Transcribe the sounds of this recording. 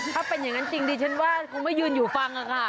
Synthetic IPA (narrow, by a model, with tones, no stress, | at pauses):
t̪ʰaː˥˩pe˧nja˨˩ŋa˦˥nt͡ɕi˧ŋdiː˧t͡ɕʰa˦˥nwaː˥˩kʰo˧ŋma˥˩jɯː˧njuː˨˩fa˧ŋʔa˧kʰa˧˩